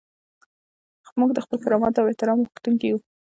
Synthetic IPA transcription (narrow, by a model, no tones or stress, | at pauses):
muɡd̪əxpəlkaɾɑmɑt̪aweht̪ɪɾɑmɣxt̪uŋkiju